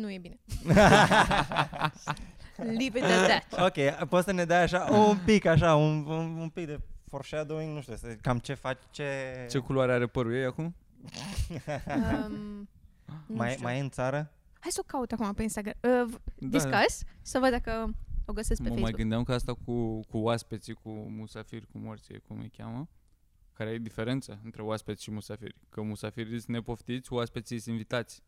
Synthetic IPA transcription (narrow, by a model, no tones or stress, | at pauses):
nujebine | livid̪ɛd̪æt̪okʲepot̪səned̪ajaʃaʔunpikaʃ̬aununumpik̚d̪e̞forʃead̪oiŋnuʃt̪usəkamt͡ʃe̞fat͡ʃʲt͡ʃet͡ʃe̞kuluaɾeaɾe̞pəɾujejakum | majmajɨnt̪saɾə | hajsəokaut̪akumapeinst̪aɡɾaməvd̪iskasʲsəvəd̪d̪akəo̞ɡəseskpeməeemasjuɡɨnd̪amkəast̪akʰukuoaspe̞t̪sikumusafirʲkumort̪sijḛkumə̰kʲa̰mə | kaɾeaed̪ife̞ɾe̞nt̪saɨnt̪ɾe̞oaspet̪sʲʃimusafḭrʲkəmusafiɾʲisʲne̞po̞ft̪it̪sʲkuaspet̪siist̪ʲinvit̪at̪sʲ